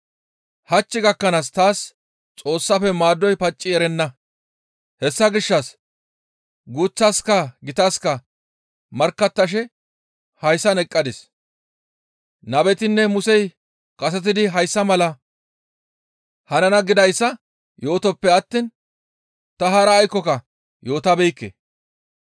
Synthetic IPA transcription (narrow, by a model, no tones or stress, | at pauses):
hɐt͡ʃːɪɡɐkːɐnaːst̪aːs | t͡sʼo̞ːsːɐfɛmaːd̪ːɔjpɐt͡ʃʼːɪɛɾɛnːɐ | hɛsːɐɡɪʃːɐs | ɡuːt͡sːɐskɐɡɪt̪askɐ | mɐɾkːɐt̪ːɐʃ̬ɛ | hɐjsːɐnɛkʼːɐd̪ɪs | nɐbɛt̪ɪnːɛmʊsɛj | kʼɐs̬ɛt̪̬ɪd̪ɪɦɐjsːɐmɐlɐ | hɐnɐnɐɡɪd̪ɐjsːɐ | jo̞ːt̪ɔpːɛɐt̪ːiːn | t̪ɐɦaːɾɐːjkːɔkɐ | jo̞ːt̪ɐbɛjkːḛ